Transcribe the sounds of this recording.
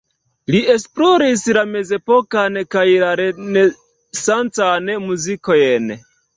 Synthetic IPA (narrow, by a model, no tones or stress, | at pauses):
liʔe̞splo̞ɾislame̞ze̞po̞kankajlaɾene | sant͡sanmuzikojen